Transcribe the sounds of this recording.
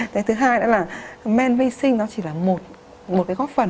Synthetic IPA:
t̪ʰe˨˦jt̪ʰɨ˨˦ɦaː˧jɗɔ̰ː˨˧˥laː˨˩mɛ˧nvi˧sï˧ŋ̟nɔ˨˦t͡ɕi˧˩laː˨˩mo˨˩t̚ | mo˨˩t̚kaː˨˦jɣɔː˦˥t̚fə˨˩n

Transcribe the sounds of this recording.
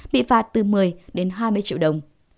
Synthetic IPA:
ɓḭ˧˨faː˨˩t̚t̪ɨ˨˩mɨ˨˩əjɗe˨˦nɦaː˧jmɨ˧əjt͡ɕḭ˧˨wɗə˨˩wŋ͡m

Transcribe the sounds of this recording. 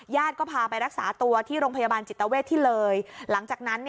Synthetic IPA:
jaː˥˩t̪̚kɔː˥˩pʰaː˧pa˧jɾa˦˥k̚saː˩˦t̪u˧ɐt̪ʰiː˥˩ɾoː˧ŋpʰa˧ja˧baː˧nt͡ɕi˨˩t̪ːa˧weː˥˩t̪ʰːiː˥˩lɤː˧jla˩˦ŋt͡ɕaː˨˩k̚na˦˥nːi˥˩

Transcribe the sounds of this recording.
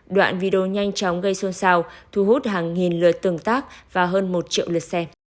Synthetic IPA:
ɗwa̰ː˧˨nvi˧ɗo˧˩ɲa˧jŋ̟t͡ɕɔ˨˦wŋ͡mɣə˧jso˧nsaː˧wt̪ʰu˧˩ɦu˦˥t̚ɦaː˨˩ŋːi˨˩nlɨ̰˧˩ət̪ɨ˨˩əŋt̪aː˦˥k̚vaː˨˩ɦəː˧nmo˨˩t̚t͡ɕḭ˧˨əwlɨ˨˩t̚sɛ˧

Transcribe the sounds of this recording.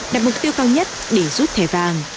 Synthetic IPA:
ɗaː˨˩mʊ˨˩k͡p̚t̪i˧wkaː˧wɲə˦˥t̚ɗe˧zu˦˥t̚t̪ʰɛ˧˩zaː˨˩ŋ

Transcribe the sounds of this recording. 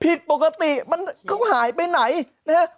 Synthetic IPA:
pʰi˨˧˩t̪̚ɓo˨˩kaː˧t̪i˧˩ma˧nkɔ˧˦wŋ͡mhaː˨˩˦jɓe˧na˨˩˦j | nɛ˨˧˦

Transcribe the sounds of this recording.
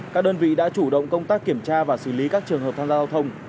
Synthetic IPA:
kaː˦˥k̚ɗəː˧nvḭ˧˨ɗa̰ː˧˥t͡ɕu˧˩ɗə̰˧˨wŋ͡mkə˧wŋ͡mt̪aː˦˥kːi˧˩əmt͡ɕaː˧vaː˨˩sɨ˧˩li˨˦kaː˦˥k̚t͡ɕɨ˨˩əŋɦəː˨˩p̚t̪ʰaː˧zaː˧zaː˧wt̪ʰə˧wŋ͡m

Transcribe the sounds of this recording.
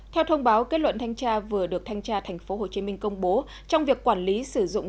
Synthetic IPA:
t̪ʰɛ˧wt̪ʰə˧wŋ͡mɓaː˨˦wke˦˥t̚lwə̰˧˨nt̪ʰa˧jŋ̟t͡ɕaː˧vɨ˨˩əɗɨ˨˩ək̚t̪ʰa˧jŋ̟t͡ɕaː˧t̪ʰɛ˨˩jŋ̟fo˨˦ɦo˨˩t͡ɕi˨˦mï˧ŋ̟kə˧wŋ͡mɓo˨˦ | t͡ɕɔ˧wŋ͡mvi˨˩əkːwaː˧˩nli˨˦sɨ˧˩zʊ̰˧˨ŋ͡m

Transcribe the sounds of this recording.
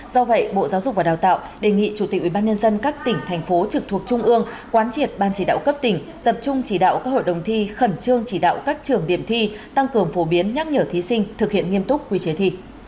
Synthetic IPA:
zɔ˧və̰˧˨jɓo̰˧˨zaː˨˦wzʊ˨˩k͡p̚vaː˨˩ɗaː˨˩wt̪a̰ː˧˨wɗe˨˩ŋḭ˧˨t͡ɕu˧˩t̪i˨˩wi˧˨˩ɓaː˧nɲə˧nzə˧nkaː˦˥k̚t̪ï˧˩ŋ̟t̪ʰɛ˨˩jŋ̟fo˨˦t͡ɕɨ˨˩k̚t̪ʰu˨˩ək̚t͡ɕʊ˧ŋ͡mʔɨ˧əŋ | kwaː˨˦nt͡ɕi˨˩ət̚ɓaː˧nt͡ɕi˧˩ɗa̰ː˧˨wkə˦˥p̚t̪ï˧˩ŋ̟ | t̪ə˨˩p̚t͡ɕʊ˧ŋ͡mt͡ɕi˧˩ɗa̰ː˧˨wkaː˦˥ho̰˧˨jɗə˨˩wŋ͡mt̪ʰi˧xə˧˩nt͡ɕɨ˧əŋt͡ɕi˧˩ɗa̰ː˧˨wkaː˦˥k̚t͡ɕɨ˨˩əŋɗi˧˩əmt̪ʰi˧t̪a˧ŋkɨ˨˩əŋfo˨˦ɓi˨˦ənɲa˦˥k̚ɲəː˧˩t̪ʰi˨˦sï˧ŋ̟t̪ʰɨ˨˩k̚hḭ˧˨ənŋi˧əmt̪ʊ˦˥k͡p̚kːwi˧t͡ɕe˨˦t̪ʰḭ˧˨

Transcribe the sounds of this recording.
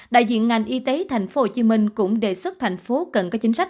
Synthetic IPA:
ɗa̰ː˧˨jzḭ˧˨ənŋa˨˩jŋ̟ʔi˧t̪e˨˦t̪ʰa˨˩jŋ̟fo˨˦ho˨˩t͡ɕi˨˦mï˧ŋ̟kʊ̰˧˥ŋ͡mɗe˨˩swɨ˦˥t̚t̪ʰa˨˩jŋ̟fo˨˦kə˨˩nkɔ˨˦t͡ɕï˨˦ŋ̟sa˦˥k̚

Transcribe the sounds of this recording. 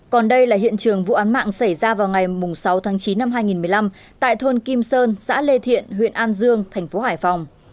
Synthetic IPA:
kɔ˨˩nɗə˧jlaː˨˩hḭ˧˨ənt͡ɕɨ˨˩əŋvṵ˧˨ʔaː˨˦nma̰ː˧˨ŋsa˧˩jzaː˧vaː˨˩wŋa˨˩jmʊ˨˩ŋ͡msa˨˦wt̪ʰaː˨˦ŋt͡ɕi˨˦nːa˧mɦaː˧jŋi˨˩nmɨ˨˩əjla˧m | t̪a̰ː˧˨jt̪ʰo˧nki˧msəː˧nsa̰ː˧˥le˧t̪ʰḭ˧˨ənhwḭ˧˨ənʔaː˧nzɨ˧əŋt̪ʰaɛ˨˩ŋ̟fo˨˦haː˧˩jfa˨˩wŋ͡m

